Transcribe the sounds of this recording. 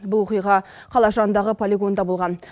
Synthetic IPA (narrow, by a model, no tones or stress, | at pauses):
bʊlˠwoqijʁɑ | qʰɑlˠɑʒɑənd̪ɑʁəpʰolʲiɡo̞nd̪ɑbolˠʁɑn